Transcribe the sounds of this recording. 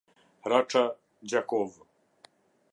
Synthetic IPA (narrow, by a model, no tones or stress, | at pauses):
ɾaʈ͡ʂa | d͡ʑakɔv